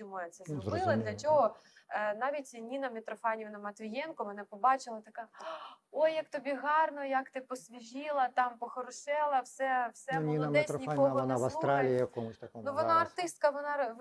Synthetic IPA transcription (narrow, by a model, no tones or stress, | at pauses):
dʲumɔjɛt̪sɛzzɾbɔɪlˠɐdlʲɐt͡ʃɔɦɔ | nɑʋʲitʲnʲinɐmʲɪt̪ɾɔfɑnʲiʋnɐmɐt̪ʋʲijɛnkʊmɪnɛpɔbɑt͡ʃɪlˠɐt̪ɐkɑ | ojːɐk̚t̪ɔbʲiɦɑrnɔjɐkt̪ɪpɔsʲʋʲiʒʲilˠɐt̪ɑmpɔxɔɾʊʃɛlˠɐwsɛwsɛnʲinɐmɛsɾɔiakɔɔnaʋɐst̪ɾalʲijijɐkɔmʊsʲt̪ɐkɔmnuʋɔnɑɐrt̪ɪst̪̚kɐʋɔnɑ